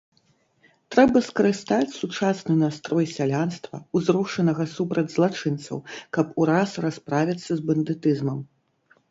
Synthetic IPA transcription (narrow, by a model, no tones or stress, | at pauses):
t̪ɾɛbɐskɐɾɨst̪at͡sʲsut͡ʂasnɨnast̪ɾɔjsʲalʲanst̪vɐ̰uzɾɔʂɐnɐɣɐsupɾɐd͡zʲzlˠat͡ʂɨnt̪sɐ̰wkɐpuɾasraspɾavʲit̪sːɐzbɐnd̪ɨt̪ɨzmɐm